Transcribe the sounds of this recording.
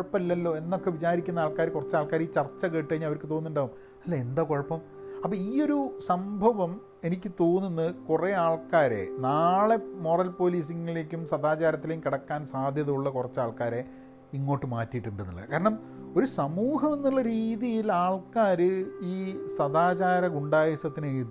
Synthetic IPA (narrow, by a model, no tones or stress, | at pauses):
ɐpːɐmɐlːɐlːo̞ːe̞nːo̞kːe̞ʋit͡ɕaːɾikʲːunːɐaːɭkaːɾkurɐt͡ɕːaːɭkaːɾiːt͡ɕɐrt͡ɕːɐkeːʈːɨiɲːɐʋɐɾkːɨt̪o̞ːnːuɳɖaːʋum | ɐlːeend̪aːkoɻɐpːɐm | ɐpːɐːiːo̞ɾusɐmbʱɐʋɐm | e̞nikʲːɨt̪o̞ːnːunːɐkureaːɭkaːɾe̞̰naːɭe̞mo̞ːrɐlpo̞ːliːs̬iŋːile̞ːkʲːumsɐðaːt͡ɕaːɾɐt̪ːileːjumkiɽɐkːaːnsaːd̪ʱjɐðuuɭːɐkurɐt͡ɕːaːɭkaːɾe̞ | iŋːo̞ːʈːɨmaːtːijʈːuɳɖunːḭlːɐ̰kaːɾɐɳɐm | o̞ɾusɐmuːɦɐmenːiɭːɐɾiːðijilaːɭkaːɾɨiːsɐðaːt͡ɕaːɾɐɡuɳɖaːjɐsɐt̪ːinejt̪ː